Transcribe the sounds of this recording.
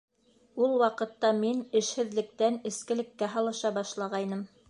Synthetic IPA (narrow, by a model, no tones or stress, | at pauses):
ulˠwɑqɤ̆t̪ːɑminɘ̆ʃhɘ̆ðlɘ̆k̚t̪ænɘ̆skɘ̆lɘ̆kːæɦɑlˠɤ̆ʃɑbɑʃlˠɑʁɑjnɤm